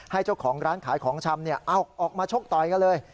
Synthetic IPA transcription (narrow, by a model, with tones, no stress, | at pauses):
ha˥˩jt͡ɕa˥˩wkʰɔː˩˦ŋɾaː˦˥nkʰaː˩˦jkʰɔː˩˦ŋt͡ɕʰa˧mni˥˩ɐʔa˧˩wk̚ʔɔː˨˩k̚maː˧t͡ɕʰo˥˩k̚t̪ɔ˨˩jka˧nlɤː˧j